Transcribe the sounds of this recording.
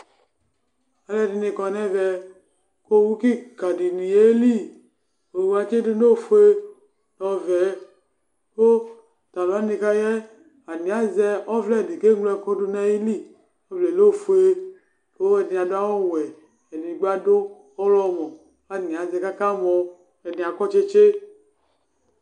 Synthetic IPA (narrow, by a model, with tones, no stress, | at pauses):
a˨lɛ˦˨di˧ne˧kɔ˧nɛ˦vɛ˨˧ | ko˦wu˦ki˦ka˨di˨ni˨je˦li˦ | o˨wu˦a˨t͡ʃe˦do˦no˦˨fu˦e˦ | nɔ˨vɛ˨˦ | ko˦ | ta˨la˦ne˧ka˦jɛ˦ | a˨ni˨a˦zɛ˧ɔ˦vlɛ˨di˨ke˦ɡ͡blɛ˨kɔ˦du˧nɛ˦ji˦li˦˨ | ɔ˦vlɛ˨lo˦˨fu˨e˦ | o˨˦ɛ˨di˧˨a˨da˦wɔ˦˨wɛ˨ | ɛ˨ni˨ɡ͡ba˦do˦ | ɔ˦lɔ˦mɔ˨ | a˨˦ni˨a˨zɛ˧ka˦ka˦mɔ˧ | ɛ˨ni˨a˨kɔ˦t͡ʃe˦t͡ʃe˦